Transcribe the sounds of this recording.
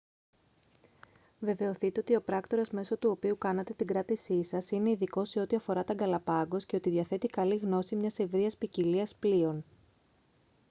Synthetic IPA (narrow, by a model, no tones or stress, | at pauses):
ve̞ve̞o̞θit̪e̞o̞t̪io̞pɾɐkt̪o̞ɾozme̞so̞t̪uo̞piukɐnɐt̪e̞t̪iɡɾɐt̪isisɐsine̞iðiko̞se̞o̞t̪iɐfo̞ɾɐt̪ɐɡɐlɐpɐɡo̞sceot̪iðʝɐθe̞t̪ikɐliɣno̞simɲɐse̞vɾiɐspiciliɐsplio̞n